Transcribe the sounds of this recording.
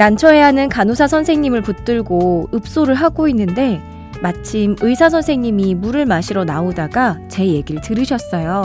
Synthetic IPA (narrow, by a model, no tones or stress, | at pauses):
nant͡ɕʰʌe̞ɦanɯnkanosʰasʰʌnsʰe̞ŋɲimɯɭput͈ɯɭɡoɯp̚s͈oɾɯɭɦaɡoinːɯnde̞ | mat͡ɕʰimɯisʰasʰʌnsʰe̞ŋɲimimuɾɯɭmaɕʰiɾonaodaɡat͡ɕe̞je̞ɡiɾɯɭtɯɾɯɕʰʌs͈ʌjo